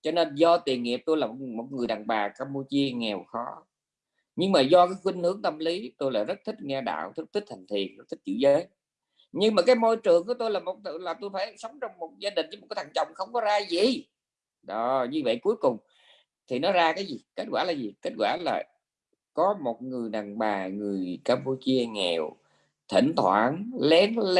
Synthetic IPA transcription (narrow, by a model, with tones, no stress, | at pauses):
t͡ɕɔ˧ne˧nzɔ˧t̪i˨˩əŋŋḭ˨əp̚t̪o˧jlaː˨˩mo˨˩mo˨˩t̚ŋɨ˨˩əjɗa̰ː˨˩ŋɓaː˨˩kaː˧mpu˧t͡ɕi˧əŋɛ˨˩wxɔ˨˦ | ɲɨ˧ŋmaː˨˩zɔ˧kaː˨˦jxwi˧ŋ̟hɨ˨˦əŋt̪ə˧mli˨˦t̪o˧jla̰ː˨˩zə˦˥t̚t̪ʰi˦˥k̚ŋɛ˧ɗa̰ː˧˨wt̪ʰi˦˥k̚t̪ʰi˦˥k̚t̪ʰa˨˩ŋ̟t̪ʰḭ˨˩ənzə˦˥t̪ʰi˦˥t͡ɕɨ̰˧˩zəː˨˦j | ɲɨ˧ŋmaː˨˩kaː˨˦jmo˧jt͡ɕɨ˨˩əŋku˧˩˦t̪o˧jlaː˨˩mo˨˩t̚laː˨˩t̪o˧jfaː˧˩jsə˨˦wŋ͡mt͡ɕɔ˧wŋ͡mmo˨˩t̚zaː˧ɗï˨˩ŋ̟ə˨˦m̚˨˩kːaː˨˦t̪ʰa˨˩ŋt͡ɕə̰˧˨wŋ͡mxə˧wŋ͡mkɔ˨˦zaː˧zi˨˩ | ɗɔ˨˦ɲɨ˧və̰˧˨jku˨˦əjkʊ˨˩ŋ͡m | t̪ʰi˨˩nɔ˨˦zaː˧kaː˨˦jzi˨˩ke˦˥t̚ɣwaː˧˩laː˨˩zi˨˩ke˦˥t̚kwaː˧˩la̰ː˨˩ | kɔ˨˦mo˨˩t̚ŋɨ˨˩əjna˨˩ŋɓaː˨˩ŋɨ˨˩əjkaː˧mpu˧t͡ɕi˧əŋɛ̰˨˩w | t̪ʰḭ˧˩ŋt̪ʰwa̰ː˧˩nlɛ˨˦nl